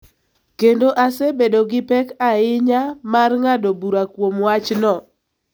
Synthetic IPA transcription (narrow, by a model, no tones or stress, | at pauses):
kendoʔasɛbedoɡɪpɛkaɪɲamarŋadobuɾakwomwat͡ʃnɔ